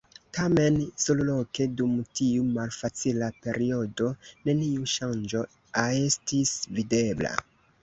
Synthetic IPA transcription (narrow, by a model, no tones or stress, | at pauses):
tame̞nsoluloke̞dumtiumalfat͡silape̞ɾʔio̞do̞ne̞niuʃand͡ʒo̞ | aestisvide̞bla̰